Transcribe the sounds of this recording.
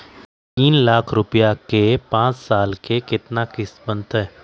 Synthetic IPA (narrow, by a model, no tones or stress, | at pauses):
t̪iːnlaːkʰɾʊpijakepãːt͡ʃsaːlkekɪt̪nakɪsbə̃nt̪ɦɛː